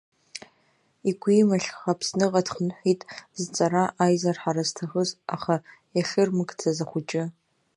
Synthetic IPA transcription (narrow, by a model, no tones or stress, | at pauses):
iɡʷiːmaɬχapʰsnɨqʼadχənħʷitʼzɨt͡sʼaɾaʔaːjzarħaɾaztʰaxəzaχajaɬɨrmɨɡt͡sʰazaχʷʊt͡ʃʼɪ